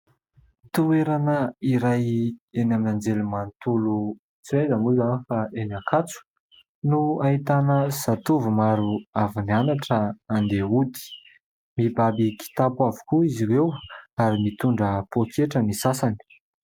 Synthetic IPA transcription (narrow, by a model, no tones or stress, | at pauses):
t̪ueɾanəiɾajenaminand͡zelumant̪ulu | t͡siajzəmuzanifaenakʰat͡su̥ | nuait̪anəsat̪uvumaɾuavinianaʈ͡ʂəand̪eut̪i̥ | mibabiki̥t̪apavu̥kuiziɾewaɾimit̪uɳɖ͡ʐəpokʰeʈ͡ʂənisasani̥